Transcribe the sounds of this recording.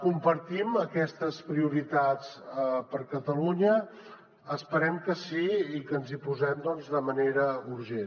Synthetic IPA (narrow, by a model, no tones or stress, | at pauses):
kumpəɾt̪iməkɛst̪əspɾiuɾit̪at͡spəɾkət̪əluɲəː | spəɾɛmkəsiikənzipuzɛmd̪ɔnzd̪əməneɾəuɾʒen